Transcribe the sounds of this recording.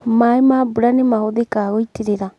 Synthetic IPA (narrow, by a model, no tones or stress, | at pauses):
maemabuɾanemahoðekaːɣoiteɾeɾa